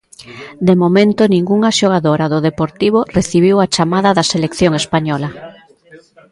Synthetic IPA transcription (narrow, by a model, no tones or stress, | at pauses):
d̪emomẽnt̪ʊnĩŋɡuŋaʃoɣ̞aðoɾaðoðepoɾt̪iβoreθiβ̞iwat͡ʃamaðɐðɐselekθjoŋespaɲɔlɐ